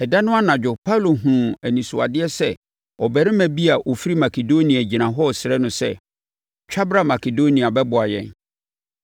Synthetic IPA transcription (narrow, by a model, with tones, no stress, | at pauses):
ɛ˨da˦nʊ̃˦a˦nã˨d͡ʑᶣʊ˨pʰa˦u˨lo˨ɦũ˨æ˨nĩ˨sʊ˨a̰˨dɪ˦ɛ˦sɛ˦˨ | ɔ˨bɛ˨ɾɪ̃˦mæ̃˨bi˦a˨ʔo˨fi˦ɾi˦ma˨kʰe˨do˦nĩ˨æ˨d͡ʑi˨nã˨ɦɔ˦˨sɪ˨ɾɛ˦nʊ̃˦sɛ̰˦ | t͡ɕᶣʰa˦bɾa˦ma˨kʰe˨do˦nĩ˨a˨bɛ˦bʊ˨a˨jɛ̰̃˨n